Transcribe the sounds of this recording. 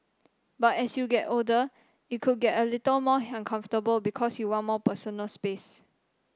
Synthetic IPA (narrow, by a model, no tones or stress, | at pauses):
batɛsjuɡɛtodə | jukʰud̚ɡɛtəlitəlmɔãnkʰãɱftəbəlbikʰɔsjuwãnmɔpəsonəlspes